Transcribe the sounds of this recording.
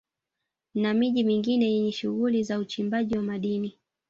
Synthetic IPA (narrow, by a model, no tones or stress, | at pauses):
namiʄimiŋɡinɛjɛɲɛʃuɣulizaut͡ʃimbaʄiwamaɗini